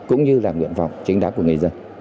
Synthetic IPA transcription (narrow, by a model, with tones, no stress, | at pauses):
kʊ̰˧˥ŋ͡mɲɨ˧laː˨˩ŋwḭ˧˨ənfa̰˨wŋ͡mt͡ɕi˨˦ŋɗaː˧˦˥ku˧˩əŋɨ˨˩ə˩zə˧n